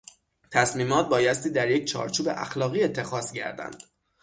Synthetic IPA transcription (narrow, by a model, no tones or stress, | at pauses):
t̪ʰæsmiːmɒːt̪̚bɒːjæst̪iːd̪æɾje̞c̚t͡ʃʰɒ̰ːɾt͡ʃʰuːbḛʔæ̰xlɒːɣiːe̞t̪ʰːe̞xɒːscæ̰ɾd̪æ̰nd̪̥